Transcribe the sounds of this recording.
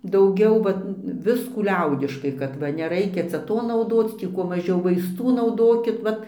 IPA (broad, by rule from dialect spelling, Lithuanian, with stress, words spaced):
dɐʊˈɡʲɛʊ ˈʋɐt ˈʋʲɪskuː ˈlʲɛʊdʲɪʃkɐɪ kɐt ˈʋɐ nʲɛˈrɐɪkʲɛ ˈt͡sʲɛ ˈtoː nɐʊˈdoːt͡s ˈtʲiː kuɔ mɐˈʒʲɛʊ ʋɐɪsˈtuː nɐʊˈdoːkʲɪt ˈʋɐt